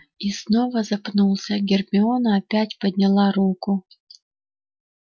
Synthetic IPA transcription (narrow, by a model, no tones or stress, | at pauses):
isnovɐzɐpnulˠsʲɐɡʲɪrmʲɪonɐːpʲætʲpəd̪ʲnʲɪlˠɑɾukʊ